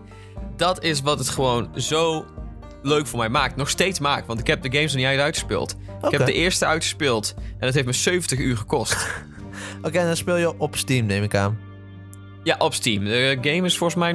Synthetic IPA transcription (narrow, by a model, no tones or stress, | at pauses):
dɑtɪs̬ʋɑtətχəʋownzow | løɥkfʊːɹmɛjmaːk̚tnɔχstejtsmaːk̚tʋɑntɪ̥kɦɛp̚dəɡejmsniɛjəœɥtχəspɪ̰ːlˠtɪkhɛpdəʔɪːɹstəœɥtχə̥spɪːlˠtʔɛ̃ndɔtɦeftməsøɥvən̩təχyːɹχəkɔst | ʔokendɔnspɪːlˠjəʔɔpstimnejmɪka̰ːn | jaʔɔpstimdəɡejmɪsfɔlˠsmɛj